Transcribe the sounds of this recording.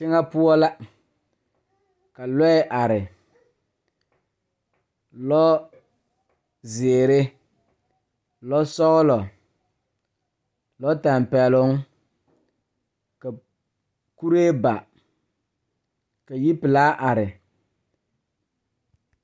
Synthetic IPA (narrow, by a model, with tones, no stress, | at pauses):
t͡ʃɪ˦ŋa˦pʊ˦ɔ˦la˦ | ka˨lɔ˦ɛ˦ʔa˨ɾɪ˨ | lɔ˦ | zeː˨ɾɪ˦ | lɔ˦sɔ˦ɣʊ˦lɔ˨ | lɔ˦ta˨mpɛ˨lʊ˦ŋ | ka˨ | ku˦ɾe˦ba˨ | ka˨ji˦pɪ˨laː˦ʔa˨ɾɪ˨